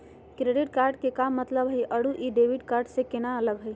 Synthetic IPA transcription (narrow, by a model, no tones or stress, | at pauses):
kɾeɖiʈkaɾɖkekamːət̪ləbɦəjʔəɽuʔiɖebiɖkaɾɖsẽkenaələɡɦəj